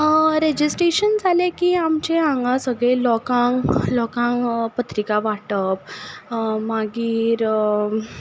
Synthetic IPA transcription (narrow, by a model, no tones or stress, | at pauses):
ɾed͡ʑisʈɾeɕənd͡zʱalekiːamt͡ɕeãŋɡãsəɡɭelɔkãŋlɔkãŋpət̪ɾikaʋaʈəp | maɡiːɾ